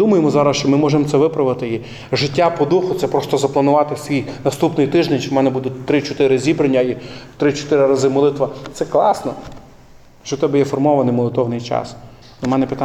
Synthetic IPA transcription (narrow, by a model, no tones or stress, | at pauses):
d̪umɐjemɔzɑɾɐst͡ʃɔmɪmɔʒemtsɛʋɪpɾɐʋɪt̪ɪji | ʒɪtʲːapɔd̪uxʊt̪sɛpɾɔst̪ɔzɐplˠɐnʊʋɑt̪ɪsʲʋʲijnɐst̪upnɪjt̪ɪʒd̪enʲt͡ʃɔmɛnɛbud̪ʊt̪ɾɪt͡ʃɔt̪ɪɾɪzʲibɾenʲːɐit̪ɾɪt͡ʃɔ̥t̪ɪɾɪɾɐzɪmɔlˠɪt̪ʋɐtsɛklˠɑsnɔ | ʃt͡ʃɔt̪ɛbɛjɛfɔrmɔʋɐnɪjmɔlˠɪt̪ɔwnɪjt͡ʃɑ̰s | nɐmɛnɛpʲɪt̪a